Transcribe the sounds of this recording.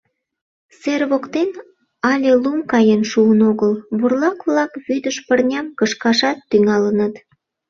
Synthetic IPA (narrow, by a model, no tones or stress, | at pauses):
serβokt̪en | ɑlʲelumkɑjenʃuənoɣəlβurlɑkβlɑkβyd̪əʃpərnʲɑmkəʃkɑʃɑt̪ːyŋɑlənət̪